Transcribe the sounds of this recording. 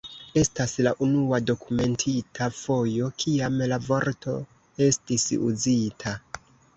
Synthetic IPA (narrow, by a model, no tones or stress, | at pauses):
e̞staslaʔunuado̞kume̞ntʰitʰafo̞jo̞kʰiamlavo̞ɾto̞̰ | e̞stisṵzitʰa